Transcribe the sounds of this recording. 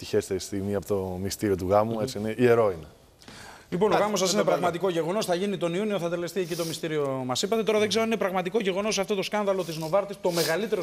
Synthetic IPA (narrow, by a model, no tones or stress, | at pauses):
t̪içest̪est̪iɣmiɐpot̪omist̪iɾio̞t̪uɣɐmuet͡siineie̞ɾo̞ine | lipo̞noɣɐmos̬ɐsinepɾɾɐɣmɐt̪iko̞ʝe̞ɣo̞no̞sθɐʝinit̪o̞niunio̞θɐt̪e̞le̞st̪ie̞cit̪o̞mist̪iɾio̞mɐsipɐt̪e̞t̪o̞ɾɐðeɡze̞ɾoninepɾɐɣmɐt̪iko̞ʝe̞ɣo̞no̞s̬ɐft̪o̞t̪o̞skɐnðɐlo̞t̪̬izno̞vɐɾt̪ist̪o̞me̞ɣɐlit̪e̞ɾo